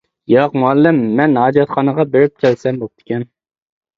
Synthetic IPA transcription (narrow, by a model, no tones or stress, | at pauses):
jɑqmuɑlˠːɪmːɛnɑːd͡ʒɑt̪χʰɑnəʁɑbeɾɪp̚t͡ʃʰɛlsɛmbop̚t̪ʰɪ̥kʲʰɛn